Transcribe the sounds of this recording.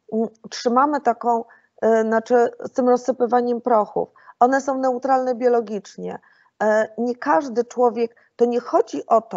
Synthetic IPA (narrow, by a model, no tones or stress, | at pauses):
tʂɘmamɘt̪akɔ̃w̃ | nat͡ʂɘst̪ɘmɾɔsːɘpɘvaɲɛmpɾɔxṵf | ʔɔnɛsɔ̃w̃nɛut̪ɾalnɛbʲjɔlɔɡʲit͡ʂɲɛ̰ | ɲɛkaʐd̪ɘt͡ʂwɔvʲjɛk | t̪ɔɲɛxɔd͡ʑiʔɔt̪ɔ